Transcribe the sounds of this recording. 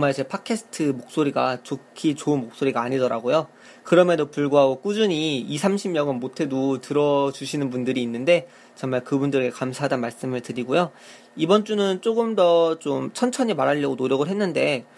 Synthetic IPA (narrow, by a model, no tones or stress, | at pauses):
t͡ɕʌŋmaɭt͡ɕe̞pʰakʰe̞sʰɯ̥tʰɯmok̚s͈oɾiɡat͡ɕokʰit͡ɕoɯnmok̚s͈oɾiɡaːɲidʌɾa̰ɡojo | kɯɾʌmedopuɭɡuɦaɡok͈ud͡ʑuɲiːsʰamɕʰimɲjʌŋɯnmotʰe̞dotɯɾʌd͡ʑuɕʰinɯnpundɯɾiːnːɯnde̞ | t͡ɕʌŋmaɭkɯbundɯɾɡe̞kamsʰaɦadanmaɭs͈ɯmɯɭtɯɾiɡojo | ibʌnt͡ɕ͈unɯnt͡ɕ͈oɡɯmdʌt͡ɕomt͡ɕʰʌnt͡ɕʰʌɲimaɾɦaʎːʌɡonoɾjʌɡɯɭɦe̞nːɯnde̞